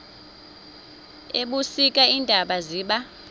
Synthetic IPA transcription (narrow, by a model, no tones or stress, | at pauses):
eɓusik̬ʼaindʱaɓaziːɓa